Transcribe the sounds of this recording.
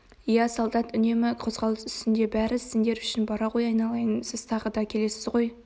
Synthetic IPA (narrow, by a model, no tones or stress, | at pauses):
jæsɑlˠd̪ɑt̪ʏne̞mɪqʰo̞zʁɑlˠəsʏ̥st̪ɪnd̪e̞bæɾɪsɪnd̪e̞ɾʏʃɪnbɑɾɑʁo̞jɑjnɑlˠɑjənsɪz̥t̪ʰɑʁəd̪ɑkʲʰe̞le̞sɪzʁo̞j